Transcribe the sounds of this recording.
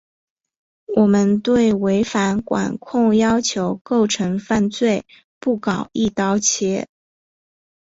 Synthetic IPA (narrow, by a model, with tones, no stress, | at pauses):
wʔɔ˨˩mə˦nt̪we˥˩ɪwe˧˥ɪfa˧˥nkwa̰˨˩nkʰʊ˥˩ŋjɑ˥ʊt͡ɕʰjo˧˥ʊko˥˩ʊʈ͡ʂʰɤ˧˥ŋfa˥˧nt͡swe˥˧ɪ | pu˥˩kɑ˨˩ʊi˥˩t̪ɑ˥ʊt͡ɕʰjɛ˧˥